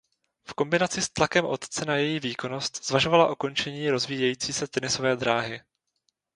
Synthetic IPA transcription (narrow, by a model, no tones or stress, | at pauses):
fko̞mbɪnat͡sɪst̪lakɛmʔo̞t̪t͡sɛnajɛjiːviːko̞no̞st̪z̥vaʒo̞valaʔoko̞nt͡ʃɛɲiːɾo̞zviːjɛjiːt͡siːsɛt̪ɛnɪso̞vɛːd̪ɾaːɦɪ